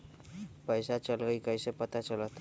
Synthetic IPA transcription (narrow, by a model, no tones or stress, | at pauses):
pəɪsat͡ʃəlɡəikəjsepət̪at͡ʃələt̪